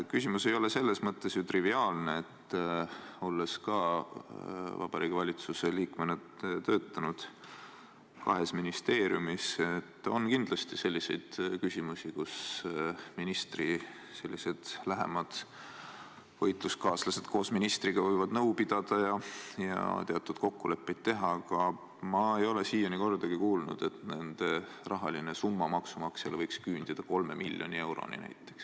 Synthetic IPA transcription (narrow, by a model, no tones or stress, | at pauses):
kysʲimuse̞jo̞le̞se̞lːe̞smɤt̪ːe̞sjut̪riviɑːlneet̪ː | o̞lːe̞skɑ | vɑ̰b̥ɑɾiːɡ̥evɑlʲit̪suseliːkmenɑt̪ø̞ːt̪ːˑɑnud̪̥ | kɑ̰ɦe̞sminist̪e̞ːɾjumiset̪ːˑo̞̰nkind̪lɑst̪ise̞lʲːise̞jd̪̥kysʲimusikus | minist̪ri | se̞lʲːise̞d̪̥læɦe̞̰mɑd̪̥ | vɤjt̪ˑluskɑːslɑse̞d̪̥ko̞ːsminist̪riɡ̥ɑvɤjvɑd̪nɤwpid̪̥ɑd̪̥ɑjɑjɑ̰t̪eɑt̪ːˑud̪̥̚ko̞kːule̞pˑːe̞jd̪̥̚t̪ːe̞ɦɑkɑ | mɑe̞jo̞le̞siːjoniko̞rd̪̥ɑɡ̥ikuːlnṵd̪̥e̞t̪ne̞nd̪̥e̞ | rɑɦɑlinesumːɑmɑksumɑkselvɤjkskyːnd̪̥id̪̥ɑko̞lme̞milʲjo̞̰nʲie̞wɾo̞̰nḭnæ̰jt̪ːˑe̥ks